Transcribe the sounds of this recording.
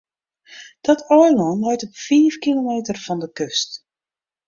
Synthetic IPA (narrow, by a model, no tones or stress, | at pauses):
d̥ɔtʰɔjlɔnlɛjtɔpfiːfkilomeːtərfɔndəkøst